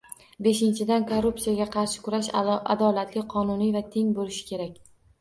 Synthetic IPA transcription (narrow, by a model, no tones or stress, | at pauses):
be̞ʃɪnt͡ʃʰɪd̪ankʰoɾːupsijaɡʲaqʰɑɾʃɪ̥kʰʊɾaʃa̰d̪ɒlat̪lɪqʰɒnʊnijvat̪ʰe̞ŋbolɪʃɪ̥kʲe̞ɾakʲ